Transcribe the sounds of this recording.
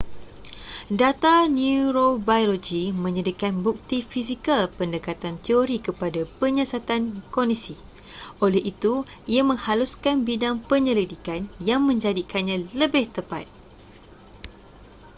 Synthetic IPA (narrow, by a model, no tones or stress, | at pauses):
dat̪anuɾobajolod͡ʒimə̃ɲədikanbuk̚t̪ifisikalpəndəkat̪ant̪eoɾikəpadapəɲə̃sat̪ankondisi | ʔolɛhit̪uiamə̃ŋhaluskanbidaŋpəɲə̃lidikanjaŋmə̃ɲd͡ʒadikanɲãləbɪht̪əpa̰t̪̚